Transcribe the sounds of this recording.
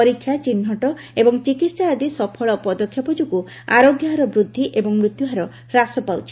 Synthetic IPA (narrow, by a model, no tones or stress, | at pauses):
ɔɾikʰːjat͡ʃinɦɔʈɔ | ebɔŋt͡ʃikit̪saːd̪isɔpʰɔɭɔpɔd̪ɔkʰjɔpɔd͡ʒuku | a̰ɾoɡjɔɦaɾɔbɾud̪ʱːiʔebɔŋmɾut̪juɦaɾɔ | ɾasɔpawt͡ʃʰi̥